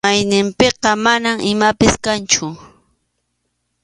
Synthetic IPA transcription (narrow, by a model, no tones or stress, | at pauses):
ajnɪmpeqɑmanamɪmapɪskant͡ʃʊ